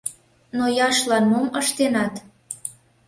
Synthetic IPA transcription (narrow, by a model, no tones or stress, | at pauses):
nojɑʃlɑnmoməʃt̪enɑt̪